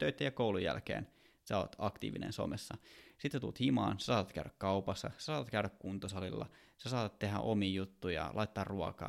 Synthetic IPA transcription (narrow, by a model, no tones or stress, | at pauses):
t̪øyt̪ːæjɑkoulujjælkḛːn | sɑo̰t̪ɑkt̪ḭːʋinḛ̃nso̰mesːɑsit̪set̪ṵlːt̪himɑ̰ːnse̥sɑːt̪ɑt̪kæ̰yɾækkɑupɑsːɑ̰sesɑːt̪ɑt̪kæyɾækkunt̪osɑlilːɑ̰ | sesɑːt̪ɑt̪tehæ̰ʔomiːjut̪ːuijɑ̰lɑit̪ːɑːrruɑkɑ̰ː